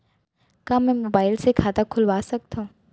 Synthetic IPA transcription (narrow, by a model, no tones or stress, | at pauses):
kaːmɛ̃ːmobaːɪlsekʰaːt̪akʰʊlʋaːsɐk̚t̪ã